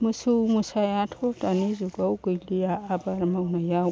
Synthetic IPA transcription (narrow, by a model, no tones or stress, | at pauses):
musumusajatʰkotanizuɡawɡilijaʔabaɾamawnajawu